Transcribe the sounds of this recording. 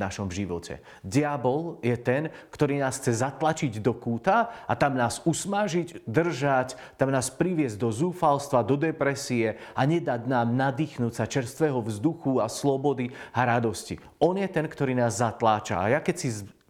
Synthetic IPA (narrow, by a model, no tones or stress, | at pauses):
naʃɔmʒiʋɔ̰cʰɛ̰ | d̪ɪabɔljɛt̪ɛnkt̪ɔɾiːnaːsxt͡sɛzat̪lat͡ʃiɟd̪ɔkuːt̪aat̪amnaːsusmaʒiɟd̪r̩ʒac | t̪amnaːspɾiʋɪɛzd̪ɔzuːfalst̪ʋad̪ɔd̪ɛpɾɛsiɛaɲɛd̪aɟnaːmnad̪iːxnuːcsat͡ʃɛɾst̪ʋɛːɦɔvzd̪uxuaslɔbɔd̪iaɾad̪ɔscḭ | ɔnjɛt̪ɛnkt̪ɔɾiːnaːzːat̪laːt͡ʃa̰a̰jakɛcsiz